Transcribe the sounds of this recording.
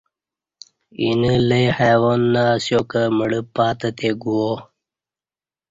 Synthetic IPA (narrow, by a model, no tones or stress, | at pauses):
ḭnələjhawonːasjokəməɽəpaːt̪ət̪eɡuo